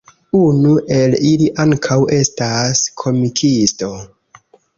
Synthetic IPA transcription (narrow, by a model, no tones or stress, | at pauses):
unuʔe̞liliʔaŋkʰawe̞staskʰo̞mikʰisto̞